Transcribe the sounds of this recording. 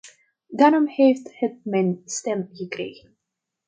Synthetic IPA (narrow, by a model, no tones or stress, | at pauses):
daːɾɔmhejfthət̚mɛjnstɛmɣəkrḛjɣən